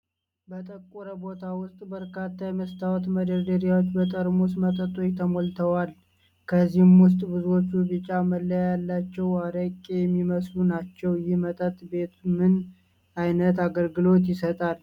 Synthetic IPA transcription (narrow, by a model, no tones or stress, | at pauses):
bət̪ʼəkʼuɾəbo̞t̪ʰawʊst̪ʼbəɾkat̪ːajməst̪ʰawɔt̪məd̪əd̪əɾjawot͡ʃːbət̪ʼəɾmos̬mət̪ʼət̪ʼojt̪ʰəmolt̪ʰəwal | kʰəzːihɨmwʊs̬t̪ʼbɨzuwo̞t͡ʃːubɨt͡ʃʼːaməlːəjjalːat͡ʃːɛwaɾəkʼejɛmːiməslunat͡ʃːɛwjɪmət̪ʼət̪ʼbe̞t̪mɨn | ajnət̪aɡəlɡɨlo̞t̪̬jɪsət̪ʼal